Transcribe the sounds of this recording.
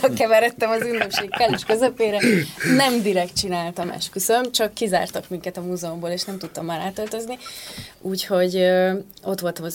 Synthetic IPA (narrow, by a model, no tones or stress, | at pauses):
ɒkɛvɛɾɛt̪ːɛmɒzynːøkʃeːkkɛlyʃkø̞zøpeːɾɛnɛmd̪iɾɛkt̪̚t͡ʃinaːlt̪ɒmɛ̰ʃ̚kysønømt͡ʃɒkːiza̰ːrt̪ɒkmiŋkɛt̪ɒmuːzɛomboːleːʃnɛmt̪ut̪ːɒmːaːɾaːt̪ølt̪ø̞zniuːcho̞ɟ | o̞t̪ʋo̞lt̪ɒmɒ